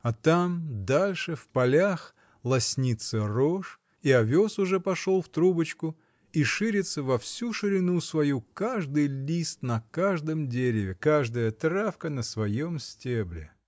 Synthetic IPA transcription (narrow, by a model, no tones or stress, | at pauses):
ɐt̪amd̪alʲʂɨfpɐlʲax | lˠɐsʲnʲit̪səroʂ | iɐvʲo̞sʊʐɛpɐʂolˠft̪ɾubət͡ɕkʊ | iʂɨɾʲɪt̪səvɐfsʲuʂɨɾʲɪnusvɐjukaʐd̪ɨjlʲist̪nɐkaʐd̪əmdʲeɾʲɪvʲɪkaʐd̪əjət̪ɾafkənəsvɐjomsʲtʲeblʲɪ̰